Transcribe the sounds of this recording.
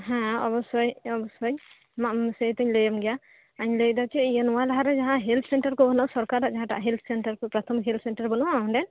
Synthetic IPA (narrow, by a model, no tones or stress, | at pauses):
ɦɛ̃ɔ̰bɔsɔjɔbɔsɔj | masət̪əɲləjəmɡɛja | aɲləd̪at͡ʃɛijənɔwalaɦaɾɛd͡ʒaɦãɦɛlt̪ʰsɛɳʈəɾkɔbʱɔnasɔɾkaɾaʔd͡ʒaɦãʈa̰ʔɦɛlt̪ʰsɛɳʈəɾkɔpɾat̪ʰɔmɦelt̪ʰsɛɳʈəɾbɔnuwaɔ̃ɖɛn